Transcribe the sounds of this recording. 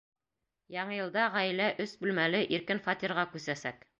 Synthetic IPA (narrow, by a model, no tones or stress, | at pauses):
jɑɴɤjɤ̆lˠd̪ɑʁæjlæʔɵsbʉlmælɘʔiɾkɘnfɑt̪ʲiɾʁɑkʉsæsæk